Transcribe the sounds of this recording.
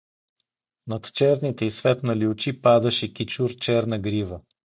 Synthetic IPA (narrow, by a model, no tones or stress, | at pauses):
nɐt̪t͡ʃɛɾnit̪ɛisvɛt̪nɐliʊt͡ʃipad̪ɐʃɛkit͡ʃuɾt͡ʃɛɾnɐɡɾivə